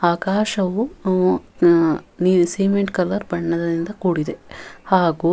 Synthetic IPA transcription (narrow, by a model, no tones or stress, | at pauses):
aːkaːʃɐʋu | nisiːmeɳʈkɐlːɐɾbɐɳːɐd̪ɐɾind̪ɐkuːɽid̪ehaːɡu